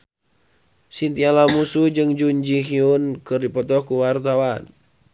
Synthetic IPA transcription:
sint̪ialamusud͡ʒɨŋd͡ʒuɲd͡ʒiɦiunkɨrdipɔt̪ɔhkuwart̪awan

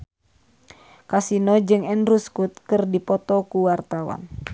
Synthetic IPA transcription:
kasinɔd͡ʒɨŋɛnɾuskut̪̚kɨrdipɔt̪ɔkuwart̪awa̰n

